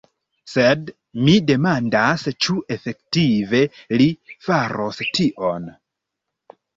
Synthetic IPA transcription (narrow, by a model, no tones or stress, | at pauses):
se̞d | mide̞mandast͡ʃuʔe̞fe̞ktive̞lifaɾostiʔon